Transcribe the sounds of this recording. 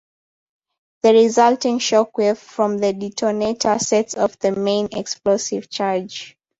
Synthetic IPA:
ðəɹizaltɪ̃ŋʃɔkwɛffɹɔ̃mðəditʰɔnetʰəsɛtsɔvðəmẽnɛ̰ksplosiv̥t͡ʃaɹd͡ʒ

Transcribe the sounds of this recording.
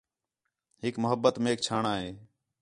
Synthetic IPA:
ɦɪkmʊɦəbːət̪meːkt͡ʃʰaːɳaːɦeː

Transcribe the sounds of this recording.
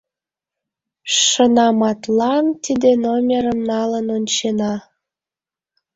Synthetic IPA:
ʃənɑmɑt̪lɑnt̪id̪enomʲeɾəmnɑlənonʲt͡ɕenɑ

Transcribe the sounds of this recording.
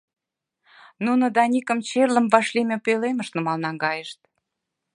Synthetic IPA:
nunŏd̪ɑnʲikəmt͡ɕerlə̆mvɑʃlʲimʲepeleməʃnəmɑlnɑŋɡɑjəʃt̪̚

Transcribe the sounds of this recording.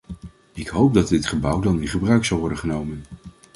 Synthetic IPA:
ɪkɦowp̚dɑd̚dɪtχəbʌwdɑnɪnχəbrœɥksɑlˠʋɔɹdənχənowmən

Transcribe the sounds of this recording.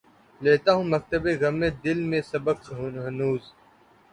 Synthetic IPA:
leːt̪aːɦũːmɐk̚t̪əbeːɣɐmẽːd̪ɪlmẽːsɐbəkɦɦɐnuːz

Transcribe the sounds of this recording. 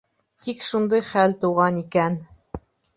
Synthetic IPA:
t̪ikʃund̪ɤjχælt̪uʁɑnikæn

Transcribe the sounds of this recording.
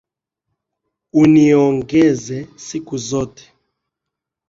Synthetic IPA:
unijɔŋɡɛzɛsikuzɔːtɛ̥

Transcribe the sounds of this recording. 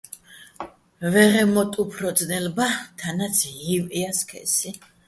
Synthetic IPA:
vɛʁɛmɔt̪ʼupʰɾɔd̪znɛlbat̪ʰanat̪sʰɦiviaskʰɛ̰si

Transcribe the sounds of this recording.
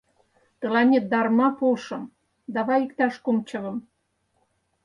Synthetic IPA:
t̪ə̆lɑnʲet̪̚d̪ɑrmɑpoʃɤ̆m | d̪ɑβɑjikt̪ɑʃkomt͡ɕɤ̆βɤ̆m

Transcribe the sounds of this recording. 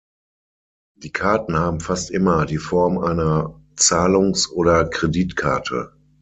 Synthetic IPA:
d̥iːkʰaɐtn̩haːbm̩fastʔɪmɐdiːfɔɐmʔaɪnɐ | t͡saːlʊŋsʔoːɾɐkʁ̥ediːtkʰa̰ɐtʰə̰

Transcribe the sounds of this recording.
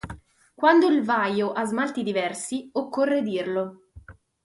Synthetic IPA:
kwand̪oilvajoʔazmalt̪id̪ivɛrsiokːorːed̪irlo

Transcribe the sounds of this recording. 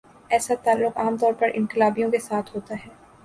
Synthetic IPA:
ɛːsat̪aːlːʊqaːmt̪ɔːɾpɐɾʔɪ̰̃nqɪlaːbijõkesaːt̪ʰɦoːt̪aɦɛː

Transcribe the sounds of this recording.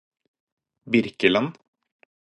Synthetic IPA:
bɪɾkəlɑn

